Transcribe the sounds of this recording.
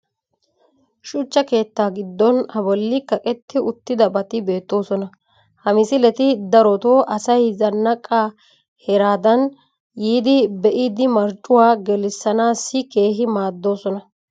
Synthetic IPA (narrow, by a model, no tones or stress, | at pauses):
ʃʊt͡ʃːɐke̞ːt̪ːaːɡɪd̪ːɔnɐbɔlːɪkɐkʼɛt̪ːɪʊt̪ːɪd̪ɐbɐt̪ɪbe̞ːt̪ːo̞ːsɔnɐ | hɐmɪsɪlɛt̪ɪd̪ɐɾɔt̪oːʔɐsɐjzɐnːɐkʼːaː | hɛɾaːd̪ɐn | jiːd̪ɪbɛʔɪd̪ɪmɐɾt͡ʃʼːʊwaːɡɛlɪsːɐnaːsːɪke̞ːɦɪmaːd̪ːo̞ːsɔnɐ